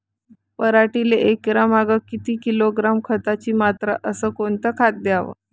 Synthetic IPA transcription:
pəɾaʈileʔekɾamaɡəkit̪iːkiloɡɾamkʰət̪at͡ɕiːmat̪ɾaʔəsəːkoɳt̪əkʰat̪̚d̪jaʋə̰

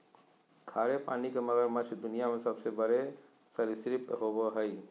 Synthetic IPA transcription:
kʰaːɾepaːnikemɐɡəɾmət͡ʃʰd̪unijamesəbsebəɾe | səɾisɾipɦoboɦəj

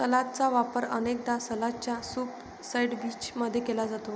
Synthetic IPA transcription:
səlat̪t͡saʋapəɾə̰nek̚d̪asəlat͡ɕjasuːp | sajɖbit͡ɕməd̪ʱːjekelad͡zat̪o

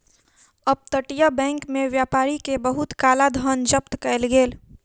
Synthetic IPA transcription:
əb̚t̪əʈjabɛ̃ːŋkmẽʋjaːpaːɾikebəɦʊt̪kaːlad̪ʱənd͡ʒəp̚t̪kɛlɡeːl

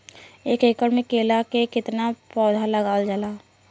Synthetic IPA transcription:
eːkeːkəɽmẽkeːlakekɪt̪napɔːd̪ʱaləɡaːld͡ʒəlaː

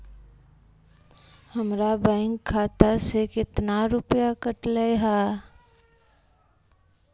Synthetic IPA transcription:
həmɾabɛ̃ɪŋkʰːaːt̪asekɪt̪naɾʊpjakəʈləɦaː

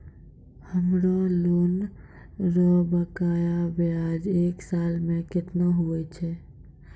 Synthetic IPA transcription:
həmɾalon | ɾɔbəkajabead͡ʒeːksalmẽkɪt̪naɦuɛt͡ʃʰɛ

